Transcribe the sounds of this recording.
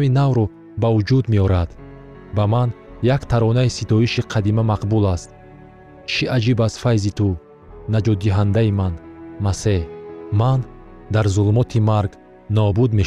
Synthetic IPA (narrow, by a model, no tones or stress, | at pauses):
vinavɾɔ | bavud͡ʒud̪meɔɾad̪̥ | bamanjakt̪ʰaɾɔnaisit̪ʰɔiʃiqʰad̪imamaqbulast̪ | t͡ʃʰiʔad͡ʒibaz̥fajzit̪ʰu | nad͡ʒɔd̪ːiɦand̪aimanmaseman | d̪aɾzulmɔt̪ʰimaɾɡ | nɔbud̪meʃ